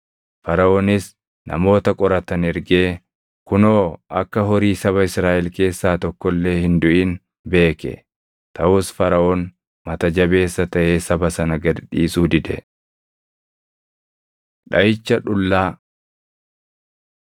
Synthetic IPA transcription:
fɐɾɐʔɔnɪs | nɐ̰mo̞ːt̪ɐkʼɔɾɐt̪ɐnɛɾɡe̞ː | kʊno̞ːʔɐkːɐɦɔɾiːsɐβɐɪsɾaːʔɛlke̞ːsːaːt̪ɔkːɔlːe̞ːhɪnd̪ʊʔɪn | be̞ːkɛ̰ | t̪ɐʔʊːsfɐɾɐʔɔn | mɐt̪ɐd͡ʒɐbe̞ːsːɐt̪ɐʔeːsɐbɐsɐnɐɡɐd̪ᶑiːsuːd̪ɪd̪ɛ | ᶑɐjɪt͡ʃːɐᶑʊlːaː

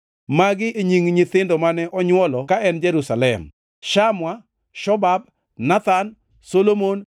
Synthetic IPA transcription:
maɡɪʔeɲiŋɲɪt̪ɪndɔmanɛʔɔɲwɔlɔkaɛnd͡ʒɛɾusalɛ̰m | ʃamwa | ʃɔbab̚ | nat̪an | solomon

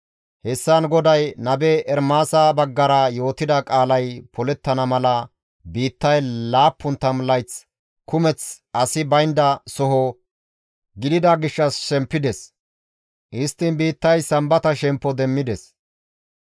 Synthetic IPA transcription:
hɛsːɐnɡɔd̪ɐjnɐbɛʔɛɾmaːsɐbɐɡːɐɾɐjo̞ːt̪ːɪd̪ɐkʼaːlɐjpʰɔlɛt̪ːɐnɐmɐlɐ | biːt̪ːɐjlaːpːʊnt̪ːɐmlɐjt͡s | kʊmɛt͡sɐsɪbɐjnd̪ɐsɔɦɔ | ɡɪd̪ɪd̪ɐɡɪʃːɐsʃɛmpːɪd̪ɛs | ʔɪst̪ːɪnbiːt̪ːɐjsɐmbɐt̪ɐʃɛmpːɔd̪ɛmːɪd̪ɛs

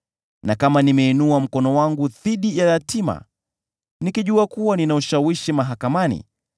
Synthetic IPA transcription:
nakamanimɛinuam̩kɔnɔwaŋɡuðiɗijaɾatʰima̰ | nikiʄuakuwaninauʃawiʃimaɦakamanḭ

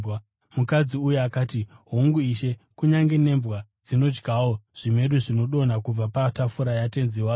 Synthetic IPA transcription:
mukad͡ziujeakaːtiɦoŋɡuiʃe̞kuɲaŋɡene̞mbwa | d͡zino̞d͡ʒɡawo̞ʐ̥ime̞ɗuʐino̞ɗo̞n̤akub͡vapatafuɾajate̞nziwa

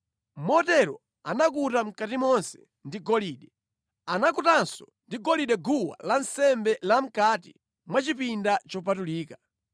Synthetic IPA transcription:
mɔtɛɾɔ̰ | anakutam̩katimɔnsɛ̥ | ndiɡɔliːɗɛ | anakutansɔ | ndiɡɔliɗɛɡuwa̰lansɛmbɛlam̩katḭ | mwat͡ʃipindat͡ʃɔpatuliːka

